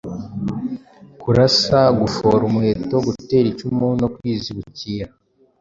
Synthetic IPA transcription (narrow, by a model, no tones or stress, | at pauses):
kuɾasaɡufo̞ɾumuhe̞ːto̞ɡute̞ːɾicumuno̞kwiːziβuciːɾa